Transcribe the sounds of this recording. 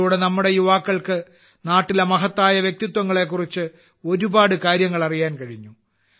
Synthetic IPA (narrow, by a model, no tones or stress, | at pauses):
uːɽɨnɐmːuɽe̞juʋaːkːɐɭkɨ | naːʈːilemɐɦɐt̪ːaːjɐʋjek̚t̪it̪wɐŋːɐɭe̞kːurit͡ɕːɨ | o̞ɾubaːɽɨkaːɾjɐŋːɐɭɐrijaːnkɐɻiɲːu